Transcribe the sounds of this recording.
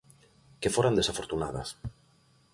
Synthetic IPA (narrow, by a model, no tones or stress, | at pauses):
kefoɾand̪esafoɾt̪una̰ð̞a̰s